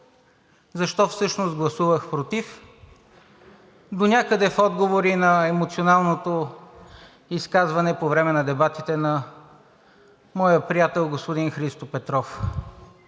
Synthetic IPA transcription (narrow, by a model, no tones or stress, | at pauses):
zɐʃt̪ɔfsɤʃnosɡlˠɐsuvəxpɾot̪if | d̪onʲakəd̪ɛfɔd̪ɡovoɾinɐɛmot̪sionalˠnot̪o | iskazvɐnɛpovɾɛmɛnɐd̪ɛbat̪it̪ɛnɐ | mɔjəpɾijat̪ɛlˠɡospod̪inxɾist̪opɛt̪ɾɔf